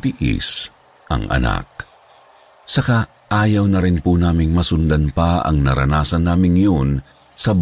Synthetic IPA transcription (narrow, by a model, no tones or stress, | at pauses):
t̪ɪʔɪ̰s | ʔɐ̰ŋʔɐ̰na̰k̚ | sɐka | ʔaːjɐwnɐɾɪnpʊnaːmɪŋmɐsʊnd̪ɐnpɐʔɐ̰ŋnɐɾɐ̰naːsɐnːaːmɪŋjon | sɐb